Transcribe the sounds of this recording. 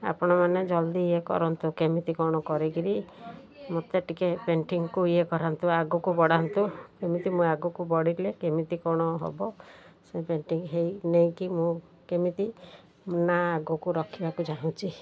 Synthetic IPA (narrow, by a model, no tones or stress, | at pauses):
a̰pɔɽ̃ɔmaned͡ʒɔld̪iiekɔ̰ɾɔnt̪ukemit̪ikɔɽ̃ɔkɔɾiɡiɾi | mot̪eʈikepeɳʈiŋɔkuiekɔɾant̪uaɡɔkubɔɽant̪ukemit̪imũaɡukubɔɽiɾlekemit̪ikɔɽ̃ɔɦo̰bɔsepeɳʈiŋɦejnej̃kimũ | kemit̪i | naːɡukuɾɔkʰibakud͡ʒaɦũt͡ʃʰi